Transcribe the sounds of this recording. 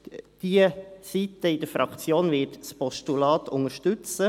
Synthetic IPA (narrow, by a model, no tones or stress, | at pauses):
d̥iəsit̪əɪd̥̪əɾfɾʔɑkt͡sjoːnvɪːtspɔʃtulɑːt̪ʰʊŋəɾʃtʉt͡sə